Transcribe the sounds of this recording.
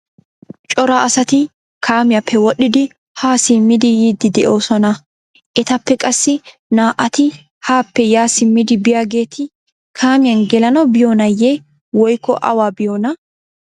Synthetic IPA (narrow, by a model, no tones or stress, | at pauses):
t͡ʃʼɔɾaɐsɐt̪ɪ | kʰaːmɪjapʰːɛwɔɗːɪd̪ɪ | haːsɪmːɪd̪ɪjiːd̪ːɪd̪ɛʔo̞ːsɔnɐ | ʔɛt̪ɐpːɛkʼɐsːɪ | naːʔɐt̪ɪ | haːpːɛjaːsɪmːɪd̪ɪbɪjaːɡe̞ːt̪ʰɪ | kʰaːmɪjɐnɡɛlɐnɐbɪjoːnɐjːe | wɔjkːɔ̰ʔɐ̰waːbɪjoːnɐ